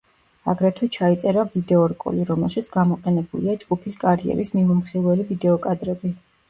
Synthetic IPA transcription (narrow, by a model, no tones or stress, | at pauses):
a̰ɡɾɛt̪ʰwɛt͡ʃʰait̪sʼɛɾavid̪ɛɔɾkʼɔ̰liɾɔmɛlˠʃit̪sʰɡamɔqʼɛnɛbuliad͡ʒɡupʰiskʼaɾiɛ̰ɾismimɔmχilˠwɛlivid̪ɛɔkʼad̪ɾɛbi